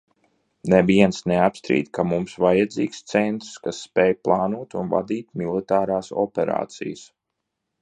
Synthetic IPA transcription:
nɛviɛnsneapst̪ɾḭːt̪ʲkamumsvajad̪ziːkst̪sɛnt̪ɾskasːpɛːjplˠɑːnuɔt̪unva̰d̪iːt̪milˠit̪aːɾaːsɔ̰pɛɾa̰ːt̪sḭjəs

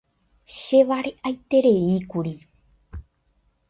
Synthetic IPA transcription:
ʃeʋaɾeʔajt̪e̞ɾe̞ikuɾi

